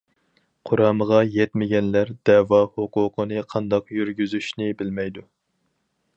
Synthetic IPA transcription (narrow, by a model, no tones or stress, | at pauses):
qʰoɾɑːməʁɑjɛt̪mɪɡʲɛnlæɾd̪ɛwɑhoqʊːqʰənɨqʰɑnd̪ɑqjyɾɡʲyzyʃnɪbɪlmɛjd̪u